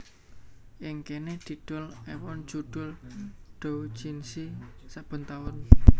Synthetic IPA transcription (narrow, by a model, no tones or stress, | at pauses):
ʔɪŋkened̪̥i̤ɖ̪̥ɔ̤lɛwɔn̥d͡ʒ̥uɖ̪̥ʊlɖ̥ou̥d͡ʒinsisab̥ə̤nt̪aʊn